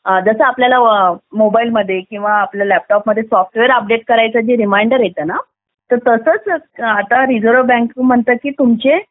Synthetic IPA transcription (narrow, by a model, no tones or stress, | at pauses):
d͡zəsəapljalamobailməd̪ʱːjekĩw̃ʋaːpljalæp̚ʈɔpməd̪ʱːjesɔfʈʋeəɾəp̚ɖeʈ̚kəɾajt͡sad͡ʑiɾimajɳɖəɾjet̪əːna | t̪əɾt̪əsət͡sat̪aɾid͡zoɾəbɛ̃ŋkm̤əɳt̪əkiːt̪umt͡se